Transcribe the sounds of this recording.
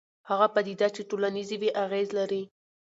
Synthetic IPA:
haɣapad̪id̪at͡ʃeʈolanizeweʔaɣezlaɾi

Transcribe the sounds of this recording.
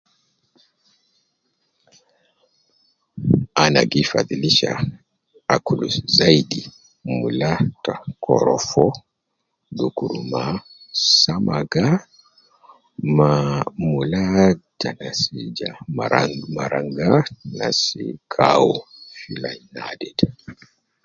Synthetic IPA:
anaɡifadiliʃa | akuluszaidi | mulatakʰɔɾɔfɔ | dukuɾuma | samaɡa | mamulatanasid͡ʒamaŋmaɾaŋɡanasikʰawɔfilajnadɛd

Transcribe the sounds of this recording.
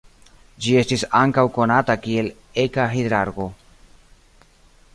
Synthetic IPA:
d͡ʒie̞stisaŋkawko̞natakie̞l | ekaxed̪ɾaɾɡo̞

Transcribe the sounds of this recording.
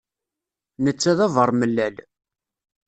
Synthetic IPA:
nət͡sːæðævəɾˤməlːæl

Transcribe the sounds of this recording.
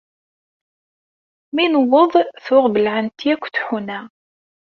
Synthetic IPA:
minəwoðˤθʊʁbəlʕənt̪iækʷːθħunæ

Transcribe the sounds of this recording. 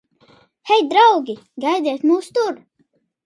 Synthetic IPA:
hɛjd̪ɾawɡʲiɡajd̪iɛt̪muːst̪uɾ

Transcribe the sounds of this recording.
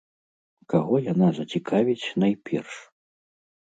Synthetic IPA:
kaɣɔjanazɐt͡sʲikʰavʲit͡sʲnajpʲʰɛ̰rʂ

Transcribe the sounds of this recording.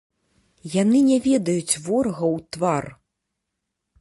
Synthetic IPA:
janɨnʲɛvʲɛd̪ɐjut͡sʲvɔrɣɐwt̪var

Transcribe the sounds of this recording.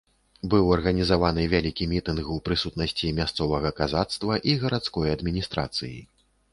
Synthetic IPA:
bɨwɐrɣɐnʲizavanɨvʲalʲikʲimʲit̪ɨnɣwpɾɨsut̪nɐsʲt͡sʲimʲast̪sɔvɐɣɐkazat̪st̪vɐʔiɣɐɾat̪skɔjɐd̪mʲinʲist̪ɾa̰t̪sɨjḭ

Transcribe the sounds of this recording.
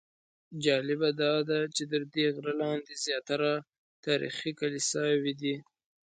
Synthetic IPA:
d͡ʒɑlɪbad̪ɑd̪at͡ʃed̪əɾd̪eɣɾalɑnd̪ezjɑt̪aɾa | t̪ɑɾḭxikalisɑwid̪i

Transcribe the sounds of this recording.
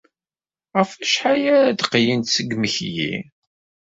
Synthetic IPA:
ʁəfæʃħajæɾæd̪qjint̪səɡməçjḭ

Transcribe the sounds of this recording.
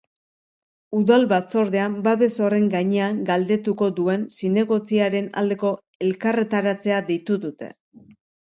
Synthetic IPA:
uðalβat͡so̞ɾðe̞ambaβe̞so̞re̞ŋɡaɲe̞aŋɡald̪e̞t̪uko̞d̪ue̞nsine̞ɣo̞t͡siaɾe̞na̰ld̪e̞ko̞ | e̞lkare̞t̪aɾat͡se̞aðejt̪uðut̪e̞̰

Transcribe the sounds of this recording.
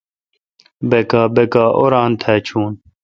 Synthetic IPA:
bekaːbekaːʔoɾãːnt̪ʰaːt͡ɕʰuːn

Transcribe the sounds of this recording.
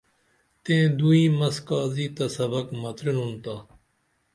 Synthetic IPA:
t̪ẽːd̪uĩːmɐskaːziːt̪ɐsəbəkmɐt̪ɾɪnũnt̪aː

